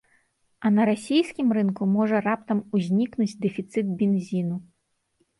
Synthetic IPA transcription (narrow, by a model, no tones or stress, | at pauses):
ɐnɐɾasʲijsʲkʲimrɨnkumɔʐɐrap̚t̪ɐmuzʲnʲiknud͡zʲd̪ɛfʲit̪sɨt̪̚bʲɛnzʲinu